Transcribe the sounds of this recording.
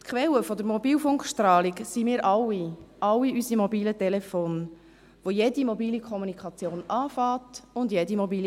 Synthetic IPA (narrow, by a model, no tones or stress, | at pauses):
t̪kχʋɛləfɔd̪əɾmɔbiːlfʊŋkχʃtɾɑːliɡsimiːɾʔɑwːiʔɑlːiysimɔbiːlətɛlɛfoːn | ʋojedimɔbiːlikʰɔmunikʰχɑt͡sjoːnɑːfɑːtʊndjɛdimɔbiːl